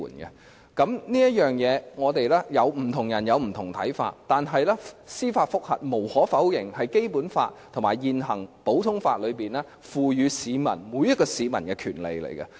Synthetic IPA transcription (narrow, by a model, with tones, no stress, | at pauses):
nɡɛ̰˧ | kɐ˨˥mniː˥jɐ˥t̚jœː˨ŋjɛː˨˧ŋɔː˨˧t̪e˨jlɛː˥jɐ˨˧wm̩˨˩t̪ʰʊ˨˩ŋjɐ˨˩njɐ˨˧wm̩˨˩t̪ʰʊ˨˩ŋt̪ʰɐ̰˨˥jfa̰ː˧t̚t̪aː˨nɦɐ˨jlɛː˥siː˥faː˧t̚fʊ˥k̚hɐ̰˨t̚mo˨˩whɔː˨˥fɐ˨˥wjɪ˨˩ŋhɐ˨jke˥jpuː˨˥nfa̰ː˧t̚t̪ʰŋmaː˨˩jjiː˨˧nɦɐ˨˩ŋpo˨˥wt̪ʰʊ˥ŋfaː˧t̚lɵ˨˧ɥpiː˨˩nɛː˥ | fuː˨˧jyː˨˧siː˨˧mɐ̰˨˩nmuː˨˧jɐ˥t̚kɔː˧siː˨˧mɐ̰˨˩nkɛ˧kʰyː˨˩nlḛ˨˧jlḛ˨˩jkɐ̰˧